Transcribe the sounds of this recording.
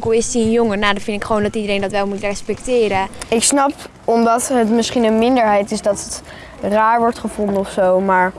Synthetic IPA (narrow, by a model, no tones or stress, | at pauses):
kəlˠɪsdiənjoŋənaːdɑfɪndɪkχəʋowndɑtidəɾejndɑtʋɛlˠmutrɛspɛk̚tɪːɾəɪksnɑp | ɔmdɑtɦətmɪsχinənmɪndəɹɦɛjtɪsdɑtət | raːɹʋɔɹtχəvɔndəɔfsowmaːɹ